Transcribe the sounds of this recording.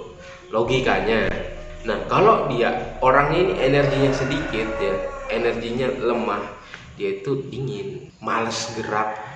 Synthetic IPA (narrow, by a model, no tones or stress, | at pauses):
loɡikaɲa | nahkalobiaʔoɾaŋɲaniʔenərɡiɲasədikɪt̪̚jaenərɡiɲaləmah | diait̪uiŋɪn | maləsɡəɾap̚